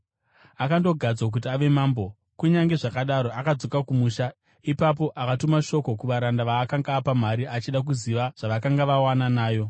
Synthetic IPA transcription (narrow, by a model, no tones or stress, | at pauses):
akando̞ɡʱad͡zwak̬ut̬iaʋe̞maːmbo̞ | kuɲaŋɡe̞ʐakaɗaɾo̞ʔakad͡zo̞kakumuʃa | ipapo̞ʔakatumaʃo̞ko̞kuʋaɾandaʋaːkaŋɡaːpam̤aɾiʔat͡ʃiɗak̬uziʋaʐ̥aʋakaŋɡaʋawananaːjo̞